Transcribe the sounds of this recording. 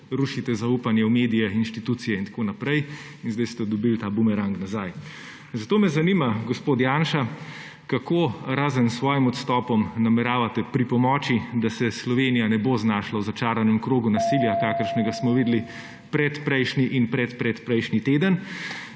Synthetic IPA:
ɾuʃit̪ɛzauːpanjɛumeːd̪ijɛinʃt̪it̪ut̪sijɛint̪ḁkoːnapɾɛj | inzd̪ajst̪ɛd̪ɔbilt̪aːbumɛɾaŋknazaj | zat̪oːmɛzanimaɡɔspoːt̪jaːnʃa | kakoɾaːzənsʋɔːjimɔt̪st̪ɔpɔmnamɛɾaːʋat̪ɛpɾipɔmɔːt͡ʃid̪asɛslɔʋeːnijanɛboznaːʃlawzat͡ʃaːɾanɛmkɾoːɡunasiljakakəɾʃnɛɡasmɔʋid̪li | pɾɛt̪pɾɛjʃniʔinpɾɛt̪pɾɛt̪pɾɛjʃnit̪eːd̪ən

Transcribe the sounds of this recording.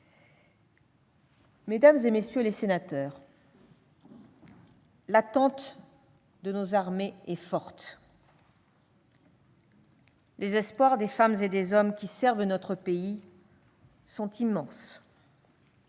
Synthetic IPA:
med̪amzemesjølesenat̪œːʁ | lat̪ɑ̃t̪ | d̪ənozaʁmeɛfɔʁt̪ | lezɛspwaʁd̪efamzed̪ezɔmkʲisɛʁvnɔt̪χəpei | sɔ̃t̪imɑ̃s

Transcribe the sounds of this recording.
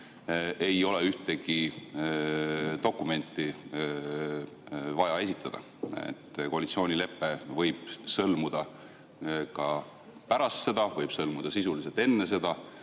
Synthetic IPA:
e̞jo̞le̞yht̪e̞ɡ̥i | t̪o̞kːˑume̞nt̪ˑːi | vɑjɑe̞s̬ʲit̪ːˑɑd̪̥ɑ̰ | ḛt̪ːˑko̞ɑlit̪sio̞ːnʲile̞pːˑe̞vɤjb̥sɤlmud̪̥ɑ | kɑ | pæɾɑst̪se̞d̪̥ɑvɤjb̥sɤlmud̪̥ɑsisuliselt̪e̞nːes̬e̞d̪̥ɑ

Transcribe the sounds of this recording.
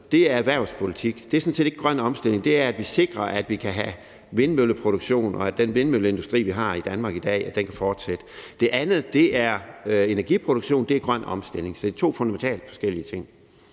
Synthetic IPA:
d̥e̝æɐæʋæɐspʰo̝lit͡sʰiɡ̥d̥e̝æɐsnsḛːd̥e̝ɡ̥ə̥ɡʁɶn̰ɒ̽msd̥e̝l̰e̝ŋd̥e̝æɐæd̥ʋise̝ɡ̥ʁɐʔæd̥ʋikʰæɦæ | ʋe̝nmøləpʰʁo̝ɾ̥uɡ̥ɕo̝̰ːnʔɒ̽æd̥enʋe̝nmøləe̝nd̥usd̥ʁḭːʋiɦɑ̈id̥ænmɑ̈ːɡ̥id̥ɛ̰ːæd̥enkʰæfɒːd̥sed̥əd̥e̝ʔænð̩ˠd̥e̝ʔæɐe̝næɐɡ̥ipʰʁoɾ̥uɡ̥ɕo̝̰ːnd̥e̝æɡ̥ʁɶn̰ɒ̽msd̥e̝le̝ŋsɒ̽d̥et͡sʰo̝̰ːfɔ̽nd̥æment͡sʰɛ̰ːl̥fɒ̽sɡ̥el̰iət͡sʰe̝ŋ̰

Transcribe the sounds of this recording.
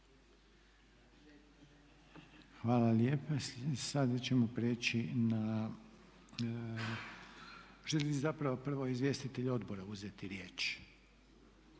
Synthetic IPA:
xʋaːlaljeːpasad̪at͡ɕemo̞pɾeːt͡ɕina | ʒelizapɾaʋopr̩ʋoizʋje̞ːst̪it̪e̞ʎo̞d̪bo̞ɾauzet̪iɾjeːt͡ʃ

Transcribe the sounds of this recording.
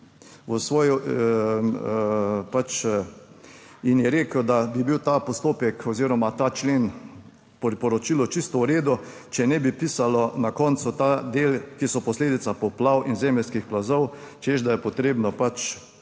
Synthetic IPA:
ʋəsʋɔːjɔ | pat͡ʃ | injɛɾeːkəd̪abibiwt̪apɔst̪oːpɛkɔziːɾɔmat̪aːt͡ʃleːn | pɔɾpɔɾɔt͡ʃilɔt͡ʃist̪ɔuɾeːd̪ʊ | t͡ʃɛnɛbipisalɔnakɔnt̪sʊt̪aːd̪eːlkisɔpɔsleːd̪it̪sapɔplawinzɛːmɛlskixplazɔwt͡ʃeʒd̪ajɛpɔt̪ɾeːbnɔpat͡ʃ

